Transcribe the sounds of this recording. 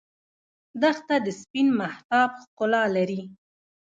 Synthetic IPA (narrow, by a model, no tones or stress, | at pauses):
d̪əxt̪ad̪əspinmaht̪ɑbxqʊlɑlaɾi